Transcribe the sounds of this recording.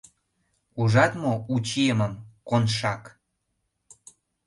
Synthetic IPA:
uʒɑt̪mout͡ɕijəməmkonʃɑk

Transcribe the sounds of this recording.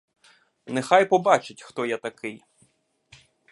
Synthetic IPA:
nexajpɔbɑt͡ʃɪtʲxt̪ɔjat̪ɐkɪj

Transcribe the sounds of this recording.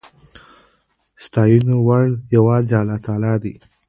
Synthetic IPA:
st̪ɑjunowaɽjawɑːzɑlɑt̪ɑːlɑd̪ḭ

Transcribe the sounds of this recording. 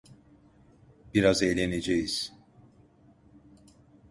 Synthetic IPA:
b̥iɾazejlʲened͡ʒejiz̥

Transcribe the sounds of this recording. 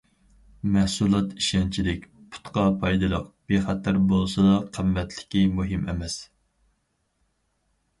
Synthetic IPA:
mæhsulˠɑt̪iʃɛnt͡ʃʰilɪkʲpʰu̥t̪qɑpʰɑjd̪ɨlˠə̰qb̥eχæt̪ʰæɾbolˠsɑd̪ɑqʰəmːɛt̪ʰlɪ̥kʲimuɦɨmɛ̰mɛs

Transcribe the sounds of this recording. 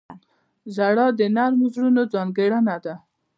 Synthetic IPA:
zaɽɑd̪ənaɾmozɽunod͡zɑnɡeɽanad̪a

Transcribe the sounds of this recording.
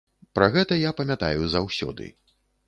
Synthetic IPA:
pɾɐɣɛt̪ɐjapɐmʲat̪a̰juzawsʲɔ̰d̪ɨ̰

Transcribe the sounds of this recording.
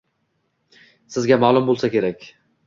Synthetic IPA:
sɪzɡʲamalˠʊmbolˠsakʲe̞ɾakʲ

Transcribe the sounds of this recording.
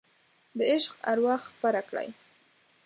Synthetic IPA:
d̪əɪʃqaɾwɑxxpəɾakɽa̰j

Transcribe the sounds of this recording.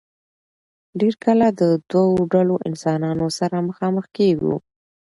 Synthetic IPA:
ɖeɾkəlad̪əd̪waoɖaloʔɪnsɑnɑnosaɾaməxɑməxkeɡṵ

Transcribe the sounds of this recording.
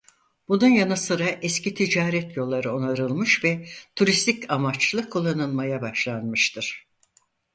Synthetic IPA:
b̥ununjanasɯɾaʔɛscit̪ʰid͡ʒaːɾɛt̪jo̞lˠːaɾɯo̞naɾɯlˠmɯʃvɛt̪ʰuɾist̪ʰicamat͡ʃlˠɯkʰulˠːanɯlˠmajabaʃlˠanmɯʃt̪ʰɯɾ̥

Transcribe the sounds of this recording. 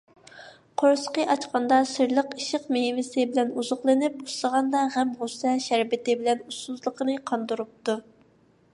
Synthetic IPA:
qʰoɾsqəʔɑt͡ʃqɑnd̪ɑsɪɾlˠəqiʃɪqmeɦmɪsɪbɪlɛnuzʊχlˠɨnɪp̚u̥slˠəʁɑnd̪ɑʁæmʁusɛʃæɾbɪt̪ɪbɪlɛnusuzlˠəqʰənɨqʰɑnd̪uɾup̚t̪u

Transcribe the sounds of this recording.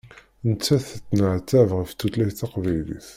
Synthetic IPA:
nət͡sːæθt͡s̪ːnəʕt̪ːævʁəft̪ːut̪læθaqvæjlḭθ

